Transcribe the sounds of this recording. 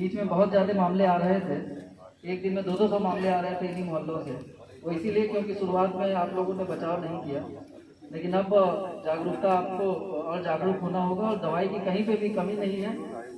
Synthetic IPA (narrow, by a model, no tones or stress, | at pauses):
biːt͡ʃmẽbɐɦʊt̪zjaːd̪emaːmleaːɾɐɦet̪ʰe | eːk̚d̪ɪnmẽd̪oːd̪osɔmaːmleaːɾɐɦet̪ʰeɪnimʊɦəlːoɛ | ɔːɾɪsiliekjõːkiʃʊɾuaːt̪mẽaːploːɡõnẽbɐt͡ʃaːonɐɦĩkijaː | leːkɪnɐbd͡ʒaːɡɾut̪aaːp̚koɔːɾd͡ʒaːɡɾuk̪ɦoːnaɦoːɡaɔːɾd̪ɐʋaːikikɐɦĩpebʱikɐminɐɦĩɦɛː